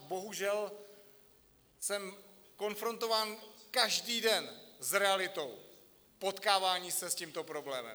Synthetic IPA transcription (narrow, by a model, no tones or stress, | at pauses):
bo̞ɦuʒɛl | sɛm | ko̞nfɾo̞nt̪o̞vaːnkaʒdiːdɛnzɾɛalɪt̪o̞w | po̞t̪kaːvaːɲiːsɛsciːmt̪opɾo̞blɛːmɛ̰